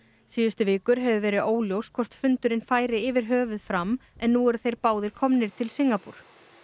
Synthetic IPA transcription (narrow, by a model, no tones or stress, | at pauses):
siːðʏst̪ʏvɪːkʏɾɦɛvʏvɛːɾɪðoːwljowst̪kʰvɔr̥t̪fʏnt̪ʏɾɪnfaːjɾɪɪvɪɾ̥ɦœːvʏðfɾamːɛnːuɛɾθejɾpaːwðɪɾ̥kʰɔmnɪɾ̥t̪ʰɪlsiŋkapuɾ̥